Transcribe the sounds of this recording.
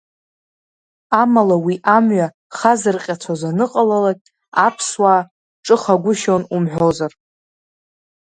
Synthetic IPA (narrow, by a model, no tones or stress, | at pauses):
amalawiʔamɥa | χazɨrqʲʼat͡sʷʰazanɨqʼalalakʲʼ | apʰswaː | ʈ͡ʂʼɨχaɡʷʊʃonumħʷᶣo̞zar